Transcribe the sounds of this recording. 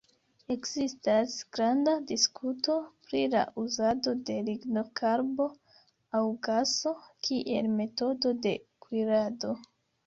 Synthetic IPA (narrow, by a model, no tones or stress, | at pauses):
e̞kzistasɡ̥ɾandadiskuto̞pɾila̰ʔuzado̞de̞liɡno̞kʰaɾbo̞ | awɡaso̞kʰiʔe̞lme̞to̞do̞de̞kwiɾado̞